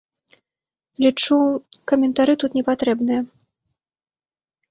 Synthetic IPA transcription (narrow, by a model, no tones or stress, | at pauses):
lʲit͡ʂukɐmʲɛnt̪aɾɨt̪ut̪nʲɛpat̪ɾɛbnɨjɐ